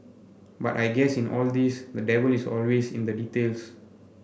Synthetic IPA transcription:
ba̰tajɡɛsĩnʔɔ̰ld̪isdədɛvəlisɔ̰lwesḭ̃nd̪əditels

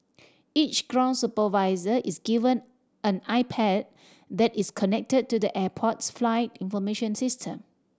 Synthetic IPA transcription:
it͡ʃɡ̥ɹãʊ̃nsupəvaɪzəʔisɡivə̃n | ʔə̃naɪpʰɛd̚ | dɛtiskʰɔnɛk̚təd̚tudəʔɛpʰɔtsflaɪtĩnfɔmeʃə̃nsɪstʰə̃m

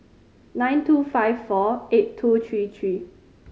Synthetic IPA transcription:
nãj̃ntʰufaɪvfɔettʰːut̪ʰɹit̪ʰɹi

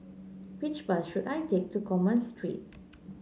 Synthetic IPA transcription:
wit͡ʃbəsʃutajtek̚tukʰɔmə̃nstɹḭt̚

